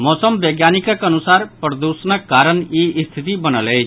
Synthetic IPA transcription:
mɔːsəmbeɡjaːnikəkənusaːɾpɾəd̪uːsənəkːaːɾənjiʔst̪ʰit̪ibənəlɛː

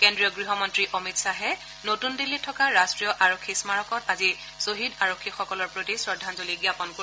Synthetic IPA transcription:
kendɹijɔɡɹiɦɔmɔntɹiʔomitsaɦɛ | notundilːitʰːɔkaɹastɹijɔʔaɹokʰːismaɹɔkɔtazi | soɦidaɹokʰːixɔkɔlɔɹpɹotisɹɔdʱanzoliɡiapɔnko

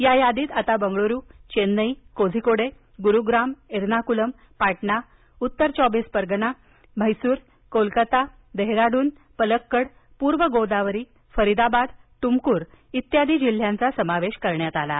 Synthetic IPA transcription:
jajad̪iːt̪at̪abəŋɡɭoɾuːt͡ɕenːəikod͡zʱikoɽe | ɡuɾuɡɾameɾnakuləm | paʈɳa | ut̪ːəɾt͡ɕɔbispəɾɡna | m̤əjsuːɾ | kolkət̪a | d̪əɦɾaɽuːn | pələkːəɽ | puːɾʋəɡowd̪aʋɾiː | fəɾid̪abad̪t̪umkuːɾ | it̪jad̪iːd͡ʑil̤ːjãnt͡sasəmaʋeɕkəɾɳjat̪ala̰

